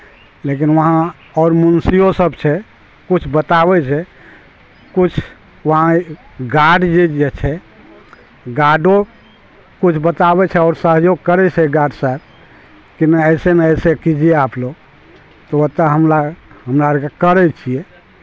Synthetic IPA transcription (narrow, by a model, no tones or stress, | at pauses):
lek̬inʋəɦã | ɔːɾmunsijosəbt͡ʃʰɛ | kut͡ʃʰbət̪aβɛt͡ʃʰɛ | kut͡ʃʰ | ʋəɦãɡaɖd͡ʒed͡ʒet͡ʃʰɛ | ɡaɖõ | kut͡ʃʰbət̪abɛt͡ʃʰɛɔːɾsəɦjoɡkəɾɛt͡ʃʰɛɡaɖsaɛb̚ | kinɛəɪsenaəsekid͡ʒieaːploɡ | t̪ɔət̪ːəɦəmlaɦəmɾakakəɾɛt͡ʃʰiɛ